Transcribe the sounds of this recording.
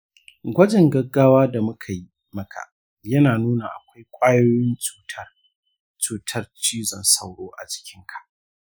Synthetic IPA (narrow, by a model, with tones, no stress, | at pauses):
ɡʷɐ˦d͡ʒɪ˨ŋɡɐ˦ɡːaː˦waː˦da˨mʊ˦kʰa˨ji˦ | mɐ˦kʰa̰˨ʔ | jɐ˦naː˨nuː˦na˨ʔa̰˨kʷa˦jkʷʼaː˦joː˦jɪ˦nt͡ʃuː˦tʰɐ˦r | t͡ʃuː˨tʰɐ˦rt͡ʃiː˦zɐ˨nsa˦wɽoː˦ʔa̰˨t͡ʃɪ̥˦kʲʰɪ˦ŋkʰḁ˨ʔ